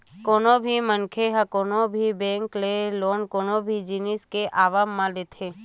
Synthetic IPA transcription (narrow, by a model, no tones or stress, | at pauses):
koːnõbʱimənkʰeɦəkoːnobʱibɛ̃ːŋkleloːnkoːnobʱid͡ʒɪnɪskeʔaːʋaːmːãleːt̪ʰeː